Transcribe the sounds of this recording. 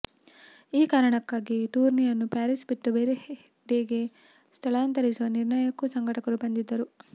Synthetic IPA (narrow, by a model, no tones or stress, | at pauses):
iːkaːɾɐɳɐkːaːɡiʈuːɾnijɐnːupjaːɾisbiʈːubeːɾe | ɖeɡe̞ | st̪ʰɐɭaːnt̪ɐɾisuʋɐniɾɳɐjɐkːusɐŋɡʱɐʈɐkɐɾubɐnd̪id̪ːɐɾu